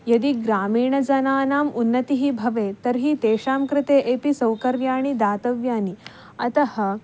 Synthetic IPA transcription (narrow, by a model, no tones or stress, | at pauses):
jɐd̪iɡɾaːmiːɳɐd͡zɐnaːnaːmunːɐt̪iɦibʱɐʋeːt̪ɐɾɦiːt̪eːʂaːmkɾɪt̪eːʔeːpisɐwkɐɾʋjaːɳ̃id̪aːt̪ɐʋjaːni | ɐt̪ɐhə̆